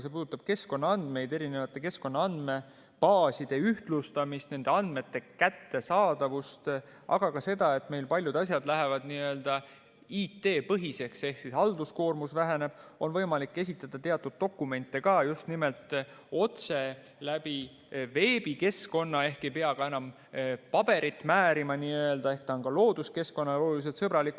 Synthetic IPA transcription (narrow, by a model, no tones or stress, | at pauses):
sepuːd̪ut̪ːˑɑb̥̚ke̞sko̞nːɑɑnd̪̥me̞jd̪eɾine̞vɑt̪ːˑe̞ke̞sko̞nːɑɑnd̪̥me̞ | pɑːsid̪̥e̞yht̪lust̪ɑmist̪ne̞nd̪̥e̞ɑnd̪̥me̞t̪ːe̞kæt̪ːe̞sɑːd̪ɑvust̪ | ʔɑ̰ɡ̥ɑkɑse̞d̪̥ɑe̞t̪ːˑme̞jlpɑlʲjud̪ɑs̬ʲjɑd̪læɦevɑd̪niø̞ld̪̥ɑ | iːt̪ːe̞ːpɤɦise̞kse̞hksishɑld̪̥usko̞ːrmusvæɦene̞b̥o̞nvɤjmɑlikˑːe̞s̬ʲit̪ːˑɑd̪̥ɑt̪e̞ɑt̪ˑːud̪̥̚ːo̞kːˑume̞nt̪ːˑekɑːjust̪nime̞lt̪ˑ | o̞t̪se̞ | læbi | ve̞ːb̥ike̞sko̞nːɑe̞hke̞jpeɑɡ̥ɑe̞nɑm | pɑb̥e̞ɾit̪ːˑmæːɾimɑniːøeld̪̥ɑe̞hkt̪ɑŋɡɑlo̞ːd̪̥uske̞sko̞nːɑlolulis̬elt̪sɤbɾɑlikː